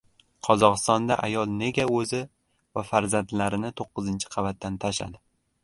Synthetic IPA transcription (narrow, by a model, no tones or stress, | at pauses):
qʰɒzɒqɨst̪ɒnd̪aʔajɒlˠne̞ɡʲaɵzɪ | vafaɾzant̪laɾɪnɪt̪ʰoqːɨzɪnt͡ʃʰɪ̥qʰɑvat̪ːant̪ʰaʃa̰d̪ɪ